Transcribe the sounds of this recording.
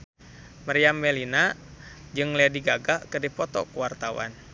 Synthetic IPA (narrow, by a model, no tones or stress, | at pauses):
maɾiambɛlinad͡ʒɨŋlediɡaɡakɨdipɔt̪ɔ̰kuwart̪awa̰n